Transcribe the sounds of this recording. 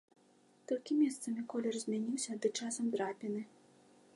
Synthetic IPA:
t̪ɔlʲkʲimʲɛst̪sɐmʲikɔlʲɛrzʲmʲanʲiwsʲɐd̪ɨt͡ʂasɐmd̪ɾapʲinɨ

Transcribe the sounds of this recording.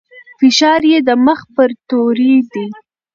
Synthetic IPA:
fɪʃɑɾjed̪əməxpəɾt̪oɾid̪i

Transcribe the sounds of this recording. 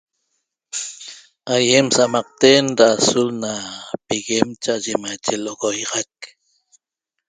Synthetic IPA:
ajemsamɑq̚t̪eːnd̪aːsulnapiɣemt͡ʃaʔaʒemajt͡ʃeloɣojɑʁɑk̚

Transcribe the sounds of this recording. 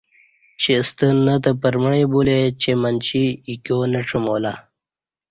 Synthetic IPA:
t͡ɕest̪ənːət̪əpəɾməɳebulet͡ɕemənt͡ɕiːkjonəʈ͡ʂʰəmoːla

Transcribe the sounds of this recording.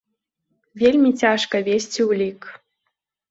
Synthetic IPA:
vʲelʲmʲit͡sʲaʃkəvʲesʲtʲiulʲik

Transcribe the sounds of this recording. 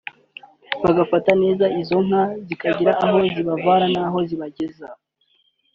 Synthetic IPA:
βaɡafatane̞ːzaizo̞ŋ̥hazikaɟiɾaʔːɦo̞ziβavaːɾanaːɦo̞ziβaɟe̞za

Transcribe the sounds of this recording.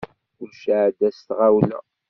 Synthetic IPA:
ʊɾʃaʕd̪æst̪ʁawlæ̰

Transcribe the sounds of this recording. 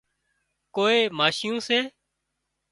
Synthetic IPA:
koːeːmaːʃɪjõːsẽː

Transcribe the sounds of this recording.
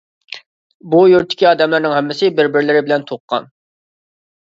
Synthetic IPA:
bujyɾt̪ʰːɪ̥kʲiɑːd̪ɛmlɨɾnɪŋhɛmːɪsɪbɪɾbɪɾlɪɾɪbɪlɛnt̪ʰoqːɑ̰n

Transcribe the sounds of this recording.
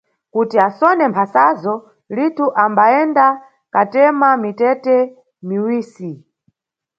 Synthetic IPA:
kutiasɔnɛmpʰasazɔ | litʰuʔambaɛnda | katɛmamitɛtɛ | miwiːsi

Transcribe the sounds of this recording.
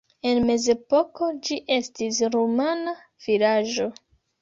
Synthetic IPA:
e̞nme̞ze̞poko̞d͡ʒiʔe̞stisɾomana | v̥ilaʒo̞

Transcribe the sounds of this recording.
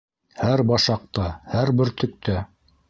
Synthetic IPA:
hæɾbɑʃɑq̚t̪ɑhæɾbɘɾt̪ʰɵ̆k̚t̪ʰæ

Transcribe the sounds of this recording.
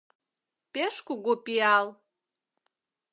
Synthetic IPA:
peʃkuɣopiɑl

